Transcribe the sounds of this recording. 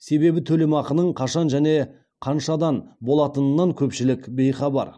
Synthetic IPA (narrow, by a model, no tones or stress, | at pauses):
se̞be̞bɪt̪ʰɵle̞mɑqənəɴqʰɑʃɑnʒæne̞ | qʰɑnʃɑd̪ɑnbo̞lˠɑt̪ənənːɑŋkʲʰɵpʃɪlɪkʲbe̞jχɑbɑ̰ɾ